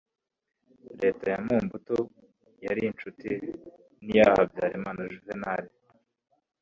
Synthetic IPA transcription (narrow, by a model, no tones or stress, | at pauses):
ɾe̞ːtajamuːmbuto | jaɾint͡ʃuti | nijahabjaːɾimaːnaʒuvenaɾe